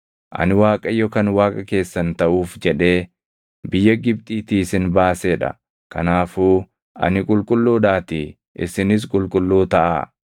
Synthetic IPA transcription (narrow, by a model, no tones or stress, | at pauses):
ʔɐ̰nɪwaːkʼɐjːɔkɐnwaːkʼɐke̞ːsːɐnt̪ɐʔuːfd͡ʒɛᶑe̞ː | bɪjːɐɡɪb̚t̪ʼiːt̪iːsɪnbaːseːᶑɐ̰ | kɐnaːfuː | ʔɐ̰nɪkʼʊlkʼʊlːuːᶑaːt̪ɪ | ʔɪ̰sɪnɪs̬kʼʊlkʼʊlːuːt̪ɐʔa̰ː